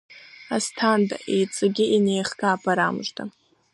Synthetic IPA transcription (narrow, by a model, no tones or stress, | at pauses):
astʰanda̰ʔejt͡sʼɨɡʲɪʔinejχkʼaːpʰʼaɾamʒtʰʼa